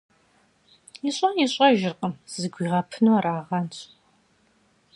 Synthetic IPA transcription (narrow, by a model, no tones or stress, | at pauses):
jɪɕʼɐniɕʼɐʒɪrqʼəmz̥ɨɡʷiːʁɐpʰɨnuaɾaːʁɐnt͡ʃʰʼ